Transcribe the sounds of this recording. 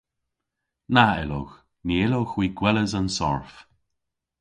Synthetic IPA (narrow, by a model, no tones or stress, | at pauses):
naɛlo̰x | niːɪloxwiːɡwɛləzansɔ̰ɹf